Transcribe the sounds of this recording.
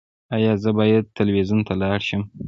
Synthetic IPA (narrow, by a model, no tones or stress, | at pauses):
ajɑzəbɑjad̪̚t̪əlwezunt̪ʰalɑɽʃəm